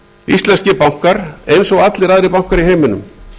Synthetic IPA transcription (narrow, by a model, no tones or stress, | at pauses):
ist̪lɛnscɪpawŋ̥kaɾejnsɔɣat̪lɪɾaðɾɪpawŋ̥kaɾiɦeːjmɪnʏ̰m